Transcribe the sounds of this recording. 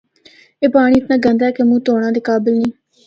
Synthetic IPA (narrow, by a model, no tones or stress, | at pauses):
eːpaːɽ̃iːt̪nãːɡənd̪aːkemũːt̪oːɽ̃ãːd̪eːkaːbɪlnĩː